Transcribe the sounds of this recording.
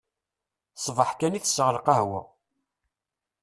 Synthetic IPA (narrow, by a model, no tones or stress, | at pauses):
sˤvəħkæniθsːʁəɾˤəqahwæ̰